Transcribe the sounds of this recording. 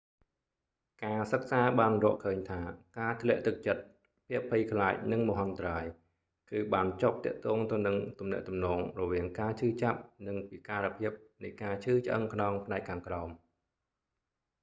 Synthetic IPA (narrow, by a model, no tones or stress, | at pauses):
kaːsək̚saːɓaːnrɔːəʔkʰəːɲt̪ʰaːkaːt̪ʰlɛ̆əʔt̪ɨk̚t͡ɕət̪̚ | pʰiəpʰːɨjkʰlaːc̚nɨŋmɔɦant̪raːj | kɨːɓaːnt͡ɕop̚t̪ɛ̆əʔt̪ɔːŋt̪ɨwnɨŋt̪umnɛ̆əʔt̪umnɔːŋrɔʋiəŋkaːt͡ɕʰɨːt͡ɕap̚nɨŋpiːkaːɾəpʰiəp̚nɨjkaːt͡ɕʰɨːt͡ɕʔə̰ŋkʰnɑːŋpʰnaɛk̚kʰːaːŋkraɔm